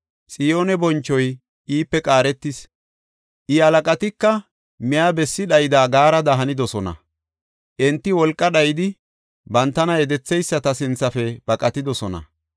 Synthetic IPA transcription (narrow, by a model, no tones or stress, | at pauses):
sʼɪjo̞ːnɛbɔnt͡ʃːɔj | ʔiːpːɛkʼaːɾɛt̪ːɪs | ʔɪhɐlɐkʼɐt̪ɪkːɐ | mɪjabɛsːɪɗɐjd̪aːɡaːɾɐd̪ɐɦɐnɪd̪ɔsɔnɐ̰ | ʔɛnt̪ːɪwɔlkʼːɐɗɐjd̪ɪ | bɐnt̪ːɐnɐjɛd̪ɛt͡sːɛjsːɐt̪ɐsɪnt͡sːɐfɛb̥ɐkʼɐt̪ɪd̪ɔsɔnɐ̰